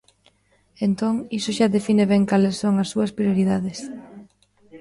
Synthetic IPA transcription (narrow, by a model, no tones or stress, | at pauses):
ent̪oŋisoʃaðefinɪβɛŋkalesːoŋɐsːuɐspɾjoɾiðaðɪs